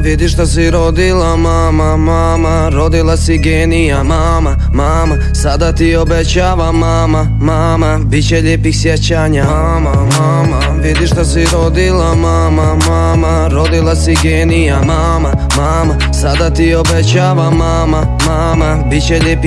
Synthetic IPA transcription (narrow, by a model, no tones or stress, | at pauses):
ʋid̪iʃt̪asiɾod̪ilamaːmamaːma | ɾo̞d̪ilˠasiɡeːnijama | ma | maːma | sad̪at̪iobet͡ɕaːʋamaːma | maːmabit̪t͡ɕeʎeːpiksjet͡ɕaːɲa | mama | ma | ʋid̪iʃt̪asiɾod̪ilama | mamaːma | ɾo̞d̪ilˠasiɡeːnijamaːma | maːma | sad̪at̪iobet͡ɕaːʋamaːma | maːma | bit̪t͡ɕeʎeːpi